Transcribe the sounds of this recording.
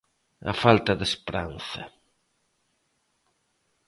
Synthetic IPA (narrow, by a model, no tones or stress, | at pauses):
ɐ̰falt̪ɐðespɾanθɐ̰